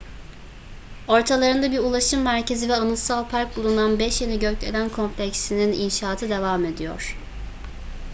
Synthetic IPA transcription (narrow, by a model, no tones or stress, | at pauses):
o̞ɾt̪ʰalˠaɾɯnd̪abiɾulˠaʃɯmːæɾcʰe̞zivɛɯnɯsalˠpʰaɾk̚bulˠunanbɛʃjeniɟøclelʲænkʰo̞mpʰlʲɛcst̪inininʃaːt̪ʰɯd̪e̞vame̞d̪ijo̞̰ɾ̥